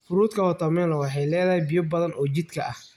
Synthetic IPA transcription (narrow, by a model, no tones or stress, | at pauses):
fʊɾuːd̪kʰɐɔt̪ʰɐmɛːlɔwɑħɑjlɛːðɐhjbɪjɔbɐðɐnʔɔːt͡ʃɪd̪kʰɐʔɐh